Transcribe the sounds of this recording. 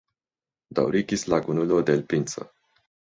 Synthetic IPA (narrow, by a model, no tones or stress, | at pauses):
d̪a̰wɾikislaɡunulod̪elpint̪sə̰